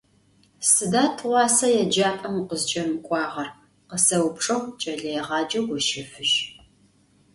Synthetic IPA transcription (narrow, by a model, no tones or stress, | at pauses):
sɨdaːtʰʁʷɑːsɐjɛd͡ʒaːpʼɐmqəzt͡ʃʼɐmɨkʷʼɑːʁɐr | qəsɐwʊpʂʼɐwt͡ʃʼɐɮejʁɑːd͡ʒɐɡʷʊʃɪfɨʒ